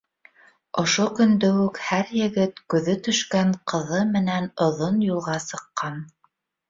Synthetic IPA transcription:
ŏʃokɵ̆nd̪ɵʉkhæɾjɘ̆ɡɘt̪kʉðɵt̪ɵ̆ʃkæɴqʰɤ̆ðɤmɘ̆nænŏðonjulˠʁɑsɤ̆qːɑn

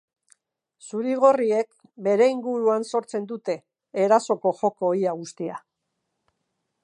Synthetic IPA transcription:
suɾiɣ̞o̞rie̞k̚ | be̞ɾe̞iŋɡuɾuanso̞ɾt͡se̞nd̪ut̪e̞ː | ɾaso̞ko̞xo̞koːjaɣust̪ia

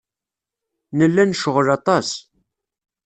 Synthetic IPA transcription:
nəlːænʃəʁəlɑt̪ˤɑs

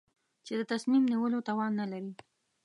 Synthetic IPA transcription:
t͡ʃed̪ət̪asmimniwəlot̪ɑwɑnːalaɾi

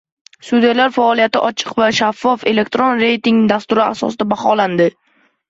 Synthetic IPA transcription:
sud̪ijalaɾfaɒlˠijat̪ɪʔɒt͡ʃʰɨ̥qvaʃafːɒfe̞le̞k̚ʲt̪ɾonɾe̞jt̪ɪŋd̪ast̪ʊɾɪa̰sɒ̰sɪd̪abaχɒland̪ɪ

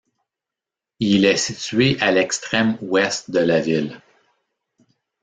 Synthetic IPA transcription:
ilɛsiɥeʔalɛkst̪χɛmwɛst̪̚d̪əlavɪl

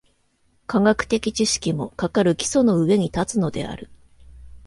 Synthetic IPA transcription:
kaɡakɯ̟̥t̪e̞kʲit͡ɕiɕi̥kʲimo̞kakaɾɯ̟kʲi̥so̞no̞ɯ̟e̞ɲ̟it̪at͡sɨno̞d̪e̞̰a̰ɾɯ̟

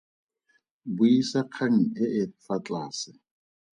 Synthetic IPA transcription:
bʊisaq͡χʰaŋ̩ɪʔɪfat͡ɬʼaːsɪ

